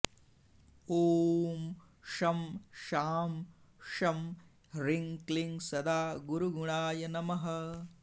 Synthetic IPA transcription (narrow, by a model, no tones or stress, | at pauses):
oːm | ʂɐmʃaːm | ʂɐm | ɾiŋkliŋsɐd̪aːɡuɾuɡuɳaːjɐnɐmɐɦɐ